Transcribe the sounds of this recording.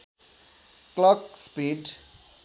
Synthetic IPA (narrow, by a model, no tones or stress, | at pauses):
klɔkspiːɖ